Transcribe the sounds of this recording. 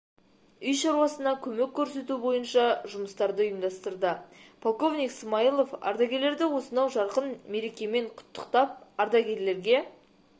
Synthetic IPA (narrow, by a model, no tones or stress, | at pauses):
ʏjʃɑɾuwɑsənɑkʲʰɵmekʲʰːɵɾse̞t̪ubo̞jənʃɑʒʊməst̪ɑɾd̪əʊjəmd̪ɑst̪əɾd̪əpʰolˠko̞vnʲijksmɑilˠo̞fɑ̰ɾd̪ɑɡʲe̞ɾle̞ɾd̪ɪwo̞sənɑwʒɑɾqənme̞ɾe̞kʲe̞me̞ɴqʰʊ̥t̪ʰːə̥qt̪ɑp̚ɑɾd̪ɑɡʲe̞ɾle̞ɾɡʲe̞